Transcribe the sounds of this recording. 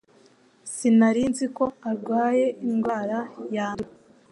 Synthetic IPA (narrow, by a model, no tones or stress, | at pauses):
sinaɾiːnziko̞aɾɡwaːje̞iŋɡwaːɾajaːnu